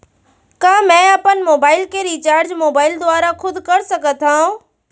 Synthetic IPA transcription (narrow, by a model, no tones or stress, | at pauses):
kãːmɛ̃ːɐpənɪ̆moːbaːɪlkeɾiːt͡ɕaːɾd͡ʑmoːbaːɪld̪ʊʋaːɾakʰʊd̪ʱkɐɾsɐɡət̪ʰãː